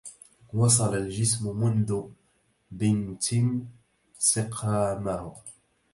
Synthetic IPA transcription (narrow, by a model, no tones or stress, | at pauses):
wɑs̬ˤɑlald͡ʒɪsmʊmʊnðʊ | bɪnt̪ʰɪn | sɪqʰaːmah